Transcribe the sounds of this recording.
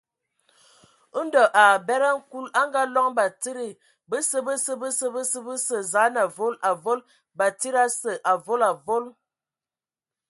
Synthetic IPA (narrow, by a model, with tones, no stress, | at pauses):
ə˦n˦də˨ʔa˨bɛ˦ɾa˦ŋ̩˦ku˦la˦ŋ˦ɡa˦lɔ˦ŋba˨ti˦ɾi˨ | bə˦sə˦bə˦sə˦bə˦sə˦bə˦sə˦bə˦sə˨za˨˦na˨vo˦la˨vo˦l | ba˨ti˦ɾa˦sə˨ʔa˨vo˦la˨vo˦l